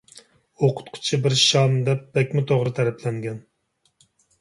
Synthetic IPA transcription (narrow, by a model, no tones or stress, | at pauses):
oqʰʊ̥t̪qʰʊ̥t͡ʃʰibɪɾʃɑmd̪ɛp̚b̥ɛkʲmɪt̪ʰoʁɾɨt̪ʰæɾɛpʰlɛŋɡʲɛn